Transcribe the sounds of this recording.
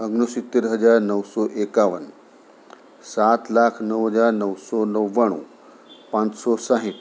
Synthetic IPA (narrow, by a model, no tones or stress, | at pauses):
əɡɳəsit̪ːeɾɦəd͡zaɾnəwsɔʔekaʋən | sat̪lakʰnəwɦəd͡zaɾnəwsɔnəʋːaɽ̃ṵ | pãt͡ssɔsãɦit̪